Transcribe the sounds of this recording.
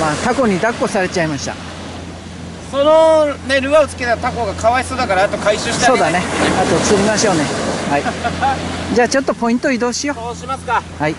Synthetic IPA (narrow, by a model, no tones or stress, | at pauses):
maːt̪ako̞ɲ̟id̪akːo̞saɾe̞t͡ɕaimaɕi̥t̪a̰ | sonone̞ɾɯ̟βaot͡sɨ̥ke̞t̪at̪ako̞ɡakʰaβaisoːd̪akaɾaːt̪o̞kaiɕɨːɕiso̞ːd̪ane̞at̪ot͡sɨɾʲimaɕo̞ːne̞hai | d͡ʑaːt͡ɕo̞t̪ːo̞po̞ĩnt̪o̞id̪o̞ːɕijo̞imaskahai